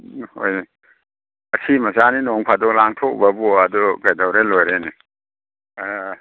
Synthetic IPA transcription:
ho̰j | ɐsʰimɐsaninɔŋpʰadɔlaŋtʰokbɐbɔɐduɡajdawɾelojɾeni

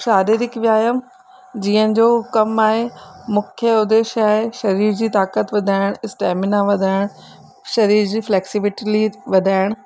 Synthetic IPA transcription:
ʃaːɾiːɾɪkʋjaːjəm | d͡ʑiːə̃nɪ̆d͡ʑoːkɐmaːɦemʊkʰjəʊd̪eːʃaːɦeʃɐɾiːɾd͡ʑiːt̪aːkət̪ʋɐd̪ʱaːɪɽ̃ɪsʈɛːmɪnaʋɐd̪ʱaːɪɽ̃ | ʃɐɾiːɾd͡ʑiːflɛːksiʋɪʈliʋɐd̪ʱaːɪɽ̃

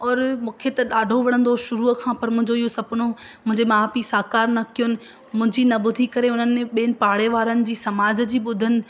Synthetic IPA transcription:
ɔːɾmũːkʰet̪ɐɗaːɖʱoʋɐɽ̃ə̃nd̪oʃʊɾuːkʰãːpɐɾmʊ̃ɦɪ̃ɲd͡ʑoiɦosɐpnomʊ̃ɦɪ̃ɲd͡ʑemaaːpisaːkaːɾnɐkʰijonɪ̆ | mʊ̃ɦɪ̃ɲd͡ʑiːnɐɓʊd̪ʱikɐɾeʊnənɪẽɓiːənɪ̆paːɽeʋaːɾənɪ̆d͡ʑiːsɐmaːd͡ʑd͡ʑiːɓʊd̪ʱənɪ̆

